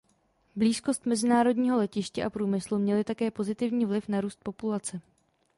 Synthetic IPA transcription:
bliːsko̞st̪mɛzɪnaːɾo̞dɲiːɦo̞lɛcɪʃcɛʔapɾuːmɪslumɲɛlɪt̪akɛːpo̞zɪt̪ɪvɲiːvlɪfnaɾuːst̪̚po̞pulat͡sɛ

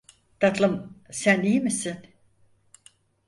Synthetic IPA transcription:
d̪̥at̪lˠɯmsænijmisin

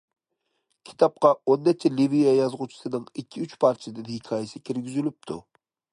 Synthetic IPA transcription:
kʲʰi̥t̪ʰɑp̚qɑonːɛt͡ʃʰɛlivijɑjɑzʁʊt͡ʃʰi̥sɨnɨŋikʲʰːiyt͡ʃpʰɑɾt͡ʃʰd̪ɨnhikʲʰɑːjesɪkʲʰiɾɡʲyzylyp̚t̪ʰu

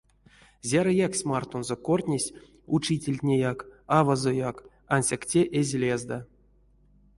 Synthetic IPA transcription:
zʲaɾajaksʲmart̪onzokortʲnʲesʲ | ut͡ʃitʲelʲtʲnʲejakavazojak | anʲsʲaktʲeʔezʲlʲezd̪a

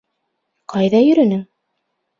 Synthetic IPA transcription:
qʰɑjðɑjɵ̆ɾɵ̆nɘŋ

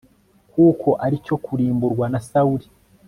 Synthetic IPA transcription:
kuːkʰo̞ʔaɾico̞kʰuɾiːmbuɾɡwanasauɾi

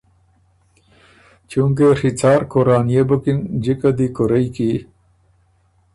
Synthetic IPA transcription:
t͡ɕũŋk̬eʂit͡saːɾkoɾaːnijebukind͡ʑikɐd̪ikoɾɐiki

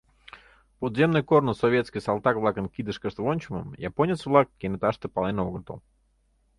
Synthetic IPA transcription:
pod̪zʲemnʊjkornʊsɔvʲet̪skʲɨsalˠt̪akvlˠakənkʲid̪ɨʂkət̪vonʲt͡ɕʊmə̰mjaponʲɪt̪svlˠakːʲɪnɨt̪aʂt̪ɨpalˠɛnoɡnt̪o̰lˠ

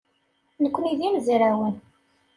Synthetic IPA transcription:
nəkʷːniðimziɾæwən

